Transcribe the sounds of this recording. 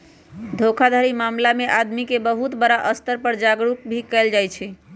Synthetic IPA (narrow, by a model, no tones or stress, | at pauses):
d̪ʱokʰad̪ʱaɾimamlameʔad̪mikebəɦut̪bəɾaʔəst̪əɾpəɾd͡ʒaɡɾuk̚bʱikɛld͡ʒajt͡ʃʰɛ